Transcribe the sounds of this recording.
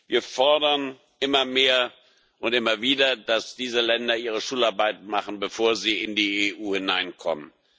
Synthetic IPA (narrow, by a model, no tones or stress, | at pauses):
vḭːɐfɔɐdɐn | ʔɪmɐmeːɐ | ʔʊntʔɪmɐviːdɐd̥asd̥iːzəlɛndɐʔiːʁ̞əʃuːlaɐbaɪtmaχn̩bəfoːɐziːɪndiːeːʔuːhɪnaɪnkʰɔ̰mən